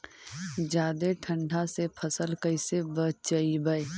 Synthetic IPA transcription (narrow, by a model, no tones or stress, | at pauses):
d͡ʒaːd̪eʈʰə̃ɳɖʱasepʰəsəlkəɪsebət͡ʃt͡ʃaibəe